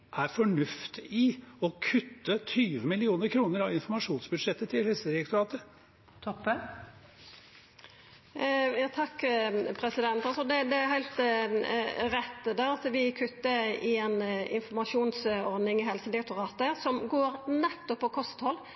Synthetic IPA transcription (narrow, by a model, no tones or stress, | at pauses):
ʔæɾfɔɳʉft̪ɪɔkʰʉt̪ːət̪ʰyːʋəmɪlɪuːnəɾkʰɾuːnəɾɑʋɪnfɔmɑʂuːnsbʉd̪ʂɛt̪ːət̪ʰɪlhɛlsəɪk̚t̪ʊɾɑːt̪ə | t̪ʰɔpːə | jɑːt̪ʰɑkːpʰɾɛsɪd̪ɛnt̪ɑlsɔd̪ɛd̪ɛæɦæɪlt̪ | ɾɛt̪ːd̪ɛɑt̪ʋɪkʰʉt̪ːəɪɛnɪnfɔmɑʂuːnsɔɾd̪nɪŋɪɦɛlsənd̪ɪk̚t̪ʊɾɑːt̪əsɔmɡoːɾnɛt̪ːɔpːɔkʰɔst̪hɔlː